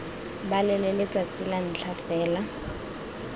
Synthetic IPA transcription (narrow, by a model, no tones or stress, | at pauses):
balɛlɛlɪt͡sʼat͡sʼɪlan̩t͡ɬʰafɛːla